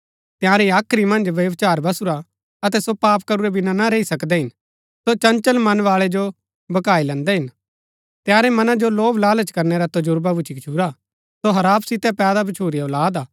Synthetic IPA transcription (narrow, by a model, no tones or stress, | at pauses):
t̪ɪjãːɾiaːkʰɾimɐ̃nd͡ʒʋjɐʋt͡ʃaːɾbɐsuɾa | ɐt̪̬ɛsopaːpkɐɾuɾɛbɪnanaɾeisɐkd̪ɛɦɪn | sot͡ʃɐ̃nt͡ʃəlmɐnʋaːɭɛd͡ʒo | bɐkaːilɛ̃nd̪ɛɦɪn | t̪jaːɾɛmɐnãd͡ʒoloːblaːlət͡ʃkɐɾnɛɾat̪ɐd͡ʒʊɾbabʊt͡ʃʰikt͡ʃʰuːɾa | soɦɐɾaːpsɪt̪ɛpɛːd̪abɐt͡ʃʰuːɾioːlaːd̪aː